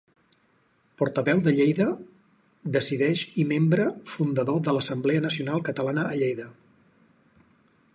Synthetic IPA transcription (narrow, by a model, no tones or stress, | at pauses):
pɔɾt̪əβɛwðəʎejðə | d̪əsiðɛʃimembɾəfund̪əðoðələsəmbleənəsiunalˠkət̪əlanəʔːʎejðə